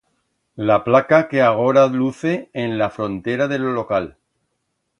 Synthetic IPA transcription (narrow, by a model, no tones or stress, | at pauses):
laplakake̞aɣ̞o̞ɾaluθe̞ːnlafɾõ̞nt̪eɾaðe̞lolo̞kal